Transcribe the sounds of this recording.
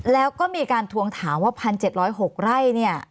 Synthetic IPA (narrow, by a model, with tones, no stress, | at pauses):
lɛː˦˥wkɔː˥˩miː˧kaː˧nt̪ʰu˧əŋt̪ʰaː˩˦mwaː˥˩pʰa˧nt͡ɕe˨˩t̪̚ɾɔː˦˥jɦo˨˩k̚ɾa˥˩jni˥˩ɐ